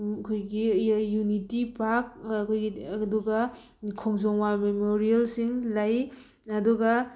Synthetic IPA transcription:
kʰojɡijunitipak̚kʰojɡiduɡɐ | kʰɔŋzɔŋwamemoɾijelsiŋlaj | ɐduɡɐ

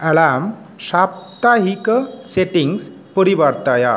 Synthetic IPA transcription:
əɭam | ɕapt̪aɦikəseʈiŋs | pəɾibaɾt̪aja

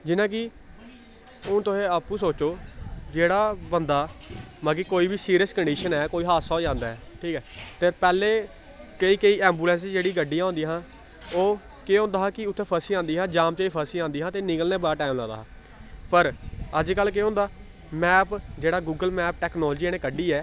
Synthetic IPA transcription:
d͡ʒɪnãːkɪ | ʊ̃ːt̪ʊẽːaːpːuːsoːt͡ʃoːd͡ʒeːɽaːbənd̪aːmaːɡiːkoːiːbisiːɾiəskəɳɖiːʃənɛːkoːiːɦaːsaːoːd͡ʒãːnd̪aːɛːʈʰiːkɛːt̪eːpɛːleː | kəiːkəiːɛːmbuːlɛ̃ːns̬d͡ʒeːɽiːɡəɖːijãːõnd̪iːɦãː | oː | keːɦõːnd̪aːɦaːkɪʊt̪ʰːeːpʰəɾsiːãːnd̪iːɦãːd͡ʒãːmt͡ʃaiːpʰəɾsiːãːnd̪iːɦãːt̪eːnɪŋɡəlneːbaːʈaːmlã̰ːd̪a̰ːɦː | pəɾəd͡ʒkəlːk̬eːõnd̪aː | mɛːpd͡ʒeːɽaːɡuːɡəlmɛːp̚ʈɛːknɔːld͡ʒiːɛːnẽːkəɖiːɛː

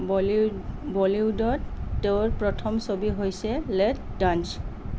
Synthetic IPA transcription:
bɔliwdɔtːeʊɹpɹɔtʰɔmsobiɦojsɛlɛt̚dans

